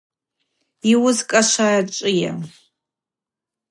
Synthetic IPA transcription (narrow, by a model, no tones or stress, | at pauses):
iwʊzkʼaʂʷat͡ʃʼɪja̰